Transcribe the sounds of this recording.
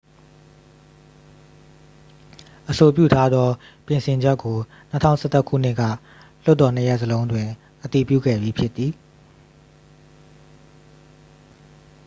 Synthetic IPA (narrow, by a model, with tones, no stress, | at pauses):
ʔəso˨pjṵ˦˨tʰa˦d̪ðɔ˦pjɪ̃˨nsʰɪ̃˨ɲd͡ʑɛ˦kːo˨ | nətʰã̰˦˨ʊ̃˨sʰɛ˦t̪ə˦ʔkʰṵ˦˨n̥ɪ˦ʔkä̰˦˨ | l̥ʊ˦tːɔ˨n̥əjɛ˦ʔsəlõ˦ʊ̃ndwɪ̃˨ | ʔət̪i˨pjṵ˦˨ɡɛ̰˦˨bji˨pʰjɪ˦t̪ːi˨